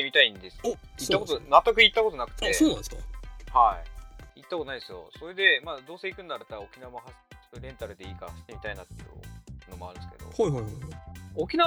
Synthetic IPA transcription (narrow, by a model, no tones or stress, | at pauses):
emʲit̪aĩnd̪e̞sɨ̥it̪ːakot̪onat̪ːokɯ̟it̪ːako̞t̪o̞nakɯ̟̥t̪e̞oːnãnd̪eshaiit̪ːakot̪onaid̪esɨjo̰so̞ɾe̞d̪e̞mad̪oːse̞ikɯ̟̃nːaɾɯt̪aokʲinamaɦaso̥ɾẽ̞nt̪aɾɯ̟d̪e̞iːkaɕi̥t̪ːemʲit̪ainat̪ːḛjɯ̰no̞moa̰ɾɯ̟nd̪eske̞d̪o̰hajhajhokʲina